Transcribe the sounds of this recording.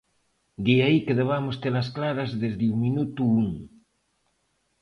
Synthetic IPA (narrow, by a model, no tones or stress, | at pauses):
d̪iaikeðeβamost̪elasklaɾazðezðeuŋminut̪uuŋ